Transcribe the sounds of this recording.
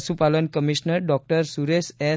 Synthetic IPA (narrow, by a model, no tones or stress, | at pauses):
supalənkəmiʃnəɾɖɔk̚ʈəɾsuɾesɛ